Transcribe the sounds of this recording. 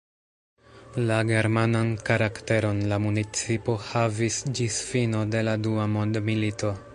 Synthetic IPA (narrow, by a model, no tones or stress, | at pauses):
laɡe̞ɾmanankaɾakte̞ɾo̞nlamunit͡sipo̞havisd͡ʒisfino̞de̞laduamo̞ndmilito̞